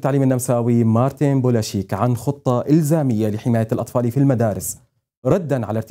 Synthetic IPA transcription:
t̪ːaʕliːmɪnːamsaːwimɑːɾˤt̪inbolaʃiːkʕanxʊt̪ˤːɑʔɪlzaːmɪjːalɪħɪmaːjalʔɑt̪ˤfɑːlifilmad̪aːɾɪs | ɾˤɑd̪ːanʕa̰laɾˤt̪

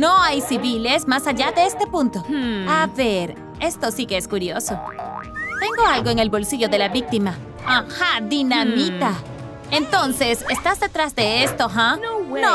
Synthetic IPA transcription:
no̞ajsiβile̞smasaʝaðe̞est̪e̞pũnt̪o̞aβe̞ɾ | e̞st̪o̞sikeeskuɾjo̞so̞ | t̪e̞ŋɡo̞alɣo̞e̞ŋe̞lβo̞lsiʝo̞ðe̞laβik̚t̪ima | ahaðinamit̪a | ent̪o̞nse̞sest̪azðe̞t̪ɾazðe̞est̪oɦanno

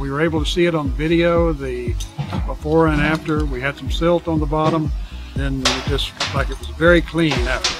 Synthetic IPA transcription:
wiwə˞eɪbl̩ˠtɨsiɨɾn̩ðəvɪɾioʊðɨbəfɔɹɨ̃næftə˞wiɨd̥sʌ̃msɪlˠtn̩ðəbɑɾə̃mðɨ̃nd͡ʒʌslaɪkɨt̚wʌzvɛɹikʰl̥ĩnaʊt̚

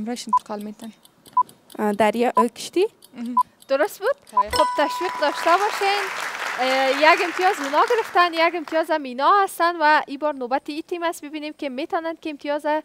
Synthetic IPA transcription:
mɾɔʃɪnt̪ɪ̥qʰɒlmet̪an | d̪aɾjɔʔəkɪ̥ʃt̪i | d̪̥ʊɾʊst̪̚bud̪̥̚χob̚t̪aʃwiq̚d̪ɔʃt̪abɔʃen | jaɡɪmt̪ʰijɔzmɪnɒɡɪɾɪft̪anjaɡɪmt̪ʰijɔzaminɒhast̪anwaibɒɾnobat̪ɪit̪ʰimast̪̚bɪbinemkemet̪ɒnankeɪmt̪ʰijɔza

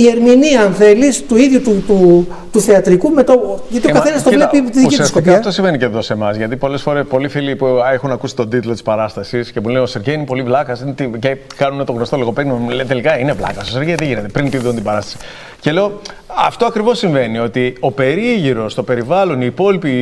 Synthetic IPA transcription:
ie̞ɾminiɐɐnθe̞list̪uiðʝut̪ut̪u | t̪uθeɐt̪ɾikumet̪oʝɐt̪iokɐθenɐst̪ovlepit̪iðiskitsiɐstkoikɐt̪osimve̞niceðo̞se̞mɐzʝɐt̪ipo̞le̞sfo̞ɾe̞spo̞lifilipuexunɐkusi̥t̪o̞d̪it̪ulo̞t̪i̥spɐɾɐst̪ɐsiscemulenoseɾʝeinepo̞livlɐkɐsint̪icekɐnunet̪o̞ɣnost̪o̞liɣo̞peolet̪e̞likɐine̞vlɐ̰kɐsoseɾʝeðeʝinet̪epɾinpiðunt̪ibɐɾɐst̪ɐ̥si̥ | ce̞le̞o̞ɐ̰ft̪oɐkɾivo̞sːiɱve̞nio̞t̪io̞pe̞ɾiʝiɾo̞st̪o̞pe̞ɾivɐlo̞niːpo̞lipi

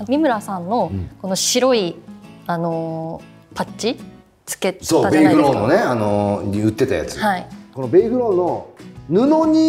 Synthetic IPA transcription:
mʲimɯ̟ɾasãnːo̞ko̞noɕiɾo̞iano̞ | pat͡ɕi | t͡sɨ̥ke̞soːabeiɡɯ̟ɾõnːone̞anoɲiɯ̟t̪ːe̞t̪aja̰t͡sɨ̥haikonobeiɡɯ̟ɾõːnːonɯnoɲ̟i

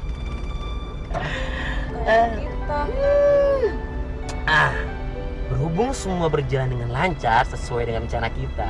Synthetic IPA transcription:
ə | ʔah | bərɦubʊŋsəmuabərd͡ʒalandəŋanlaɲt͡ʃarsəsuajdəŋant͡ʃanakit̪a

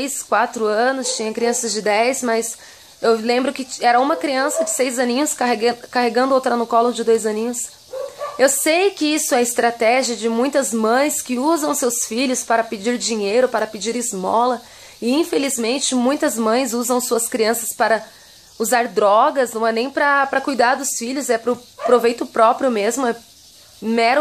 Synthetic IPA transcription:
jskwat̪ɾʊɐ̃nʊst͡ʃĩɲɐkɾiɐ̃sɐzd͡ʒɪd̪ɛjzmɐs | ewlẽmbɾʊkɪɛɾɐũmɐkɾiɐ̃sɐd͡ʒɪsejzɐnĩɲʊskaɦeɡɐ̃kaɦeɡɐ̃nd̪ʊowt̪ɾanʊkɔlõd͡ʒɪd̪ojzɐnĩɲʊs | ewsejkɪisʊɛɐɪst̪ɾat̪ɛʒiɐd͡ʒɪmũj̃t̪ɐzmɐ̃j̃skɪuzɐ̃w̃sewsfiʎʊspaɾɐpɪd͡ʒiɾd͡ʒĩɲejɾʊpaɾɐpɪd͡ʒiɾɪzmɔ̰lɐ | ɪĩfelizmẽnt͡ʃɪmũj̃t̪ɐzmɐ̃j̃zuzɐ̃w̃suɐskɾiɐ̃sɐspaɾɐ | uzaɾd̪ɾɔɡɐsnɐ̃w̃ɛnẽj̃pɾɐpɾɐkujd̪aɾd̪ʊsfiʎʊzɛpɾʊpɾovejt̪ʊpɾɔpɾijʊmezmʊɛ | mɛɾ

